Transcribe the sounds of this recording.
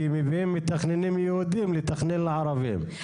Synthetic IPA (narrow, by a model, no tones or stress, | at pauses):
imivhemːit̪ːaχnenimjehud̪imlit̪ːaχnɛnlaʕaɾavḭm